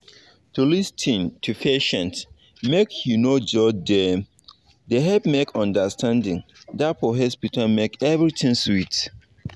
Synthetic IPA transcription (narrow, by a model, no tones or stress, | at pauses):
tʰulistʰĩntʰupʰeʃɛ̃nt | mekʰjunod͡ʒɔdɛ | deɦɛpmekʰɔ̃ndəstʰãndɪ̃ŋ | dat̚pɔɦɛspitʰamekɛvɹitʰĩŋswit